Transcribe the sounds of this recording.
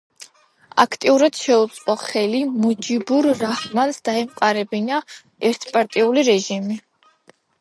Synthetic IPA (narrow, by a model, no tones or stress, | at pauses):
a̰kʰt̪ʼiuɾad̪̥ʃɛut̪sʼqʼɔχɛlimud͡ʒibuɾːahmansd̪̥aɛmqʼaɾɛbina | ɛɾt̪ʰpʼaɾt̪ʼiuliɾɛʒimi